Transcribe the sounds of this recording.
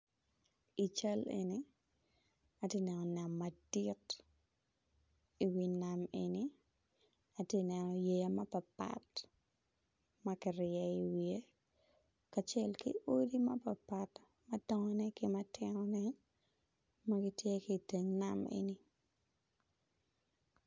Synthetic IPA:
it͡ʃalḛni | atenɛnɔnamːadit | iwinameni | atjenɛnɔjemɐpɐpa̰t | mɐkɪɾɪɛiwie | kat͡ʃɛlkḭodimɐpapat | mɐdɔŋɔnɛkɪmɐtɪnɔnɛ | mɐɡɪtjekiteŋnamḛni

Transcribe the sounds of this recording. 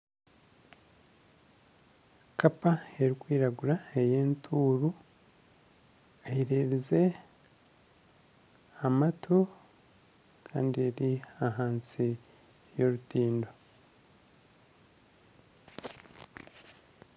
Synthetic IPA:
kapae̞ɾikwiːɾaɡuɾaejeːntʰuːɾu | eiɾe̞βize̞ | amatʰu | kʰa̰ːndie̞ɾiaɦaːnsi | jo̞ɾutiːndo

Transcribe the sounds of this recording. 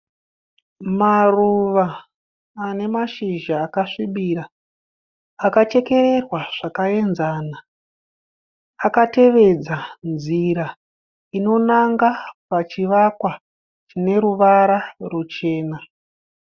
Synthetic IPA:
maruʋaː | ne̞maʃiʒaːkaʂiɓiɾa | kat͡ʃe̞ke̞re̞rwaʐ̥akae̞nzaːna | kate̞ʋe̞d͡zanziɾa | ino̞naŋɡapat͡ʃiʋakwa | t͡ʃine̞ɾuʋaɾarut͡ʃe̞ːna

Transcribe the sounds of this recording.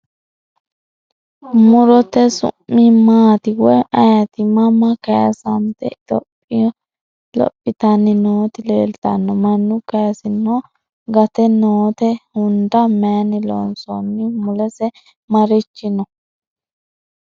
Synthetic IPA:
mʊɾɔt̪ɛsʊ̰mːɪmaːt̪ɪwɔɐjɐt̪ɪmɐmːɐkɐjɐ̰sɐmt̪ɛ̰t̪ɔ̰pʼːɪɔ | lɔ̰pʼːɪt̪ɐnːɛnoːt̪ɪleːlt̪ɐnːɔmɐnːʊkɐjɐsɪnːo | ɡɐt̪ɛnoːt̪ɛhʊnd̪ɐmɛjɐnɪlo̰nsɔnːɪmʊlɛsɛ | mɐɾɪt͡ʃːɪnɔ

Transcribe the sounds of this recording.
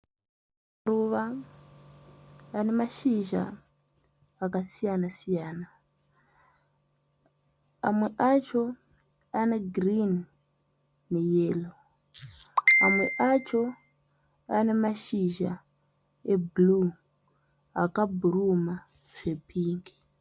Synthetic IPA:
mmmaruʋa | ane̞maʃiʒa̰ | kasijanasijaːna | amwe̞ʔat͡ʃo̞ | ane̞ɡrin | e̞jeːlo | amwe̞ʔat͡ʃo̞ | ane̞maʃiʒa | eblu | akabʱuruma | ʐ̥e̞pʰiːŋɡi

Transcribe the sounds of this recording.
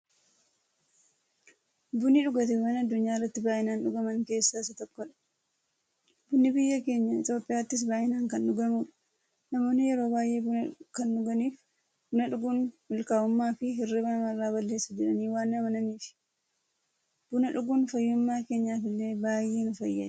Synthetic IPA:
bʊnɪᶑʊɡɐt̪ɪwaːnɐd̪ːʊɲːaːɪrːɐt̪ːɪbaːʔɪnaːnᶑʊɡɐmɐŋke̞ːsːaːɪsːɐt̪ɔkːɔᶑɐ̥ | bʊnːɪbɪjːɐke̞ːɲːɐɪt̪jo̞ːpʼːɪjaːt̪ːɪs̬baːʔɪnaːŋkɐnᶑʊɡɐmuːᶑɐ̥ | nɐmo̞ːnːɪjɛɾo̞ːbaːjʔe̞ːbʊnɐkɐnᶑʊɡɐniːf | bʊnɐᶑʊɡʊnmɪlkaːʊmːaːfɪɦɪrːɪbɐmɐrːaːbɐlːe̞ːsːɐd͡ʒɛᶑɐniːwaːnːɐmɐnɐniːfɪ̥ | b̥ʊnɐᶑʊɡʊnfɐjːʊmːaːke̞ːɲːaːfɪlːe̞ːbaːjːe̞ːnʊfɐjːɐ̰

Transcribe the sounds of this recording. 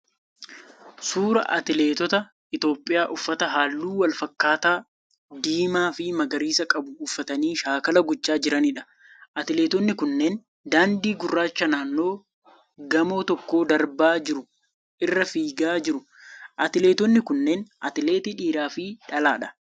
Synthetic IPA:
suːɾɐ̰ʔɐ̰t̪ɪleːt̪ɔt̪ɐ | ɪt̪o̞ːpʼːɪjaːʔʊfːɐt̪ɐɦaːlːuːwɐlfɐkːaːt̪aː | d̪iːmaːfɪmɐɡɐɾiːsɐkʼɐbʊːfːɐt̪ɐniːʃaːkɐlɐɡʊt͡ʃːaːd͡ʒɪɾɐnɪᶑɐ̥ | ʔɐt̪ɪle̞ːt̪ɔnːɪkʊnːeːn | d̪aːnd̪iːɡʊrːaːt͡ʃːɐnaːnːo̞ː | ɡɐmo̞ːt̪ɔkːo̞ːd̪ɐɾbaːd͡ʒɪɾʊ | ʔɪrːɐfiːɡaːd͡ʒɪɾʊ | ʔɐt̪ɪle̞ːt̪ɔnːɪkʊnːe̞ːnʔɐ̰t̪ɪle̞ːt̪iᶑiːɾaːfɪᶑɐlaːᶑɐ̥

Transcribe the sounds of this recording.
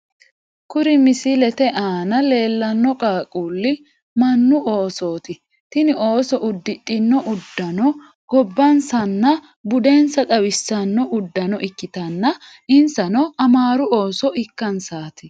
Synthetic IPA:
kʊɾɪmɪsɪlɛt̪ɛʔaːnɐle̞ːlːɐnːɔkʼaːkʼuːlːɪ | mɐnːʊoːsoːt̪ɪ | t̪ɪnɪʔo̞ːsɔʔʊd̪ːɪtʼːɪnːɔʔʊd̪ːɐnɔ | ɡ̥ɔbːɐnsɐnːɐ | bʊd̪ensɐt̪ʼɐwɪsːɐnːɔʔʊd̪ːɐnɔʔɪkːɪt̪ɐnːɐ | ʔɪnsɐnɔɐmaːɾʊoːsɔʔɪkːɐnsaːt̪ɪ

